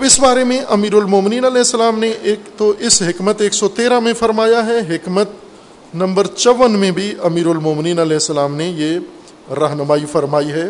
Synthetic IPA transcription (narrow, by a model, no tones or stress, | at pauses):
ɐbɪsbaːɾemẽʔɐmiːɾʊlmoːmɪniːnɐlɛːɦsːəlaːmneʔeːkt̪oʔɪsɦɪkmət̪eːksɔt̪eːɾãmẽfɐɾmaːjaɦɛɦɪkmət̪̚ | nɐ̃mbəɾt͡ʃɐʋənmẽbʱiʔɐmiːɾʊlmoːmniːnɐlɛːɦsːəlaːmneje | ɾɐɦnəmaːifɐɾmaːiɦɛː